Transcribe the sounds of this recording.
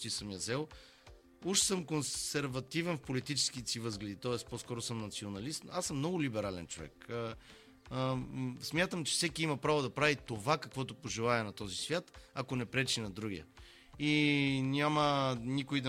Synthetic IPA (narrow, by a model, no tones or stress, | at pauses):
t̪isəmjɐzɛlˠ | uʃsɤmkonsɛɾvɐt̪ivɛnfpolit̪it͡ʃɛ̥skit̪sivɤzɡlʲɛd̪it̪ɔɛsposkɔɾosɤmnɐt̪sionɐlist̪asəmnɔɡʊlibɛɾalɛ̰nt͡ʃovɛ̰kə | smʲjat̪əmt͡ʃɛ̥fsɛkiimɐpɾavod̪ɐpɾavit̪ovakɐkvɔt̪opoʒɛlˠaɛnɐt̪ɔzisvʲjat̪ɐkonɛpɾɛt͡ʃinɐd̪ɾuɡʲiə̰ | inʲamənikoid̪ɐ